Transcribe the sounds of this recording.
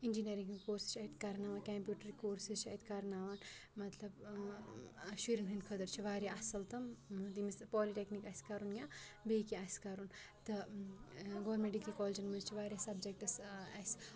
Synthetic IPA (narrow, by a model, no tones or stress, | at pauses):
ind͡ʒinɐɾiŋɡkoɾsi̥st͡ʃʰɐit̪ʰkaɾnaːʋankampjuʈɾikoːɾsist͡ʃʰɐ̰jt̪ʰkaɾnaːʋanmɐt̪lɐb | ʃiɾinɦinkʰəd̪ɐɾt͡ʃʰiʋaːɾjaɐsɐlt̪ɐmd̪imispɔliʈeknikajskaɾunjãbejkiaskaɾunt̪ɐ | ɡoɾmeʈikːikɔld͡ʒɐnmɐd͡ʒt͡ʃʰiʋaɾjasɐbd͡ʒek̚ʈɐsajs